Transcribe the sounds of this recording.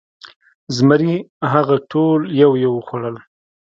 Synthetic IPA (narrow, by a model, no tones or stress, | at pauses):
zməɾiɦaɣaʈʰoljawjewəxwaɽəl